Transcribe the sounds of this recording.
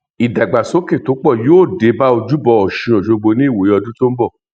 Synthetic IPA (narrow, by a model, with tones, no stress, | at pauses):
i˨da˨ɡ͡ba˨so˨˦ke˦˨to˨˦k͡pɔ˦˨joː˦˨de˨˦ba˦o˧d͡ʒu˦bɔ˧ɔ˨ʃĩ˧o˨ʃo˧ɡ͡bo˧nĩ˦i˦˨wo˨jɔ˧dũ˦to˦m̩˦bɔ˦˨